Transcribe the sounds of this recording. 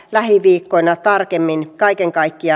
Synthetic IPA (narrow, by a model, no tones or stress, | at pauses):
læhiʋiːkːoinɑt̪ɑrkemːinkɑikeŋkɑikːiɑ